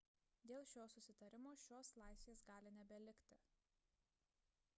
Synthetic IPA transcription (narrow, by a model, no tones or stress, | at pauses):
d̪ʲeːlˠʃʲoːsʊsʲɪt̪ɐɾʲɪmoːʃʲoːslˠɑˑɪsʲʋʲeːsɡɑːlʲɪnʲɛbʲɛlʲɪkʲt̪ʲɪ